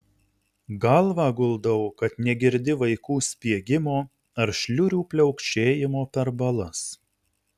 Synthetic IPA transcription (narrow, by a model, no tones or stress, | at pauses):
ɡɐlˠʋɑːɡʊlˠd̪ɐʊkɐt̪nʲɛɡʲɪɾʲd̪ʲɪʋɐɪkuːsʲpʲiɛɡʲɪmoː | ɐɾʃʲlʲʊɾʲuːpʲlʲɛʊkt͡ʃʲeːjɪmoːpʲɛɾbɐlˠɐs